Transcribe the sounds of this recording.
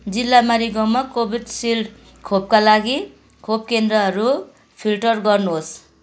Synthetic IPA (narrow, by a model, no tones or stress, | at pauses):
d͡zilːamaɾiɡʌmakobʱiɖsilɖ | kʰob̚kalaɡi | kʰob̚kend̪rʌɦʌɾu | pʰilʈʌrɡʌrnuɦos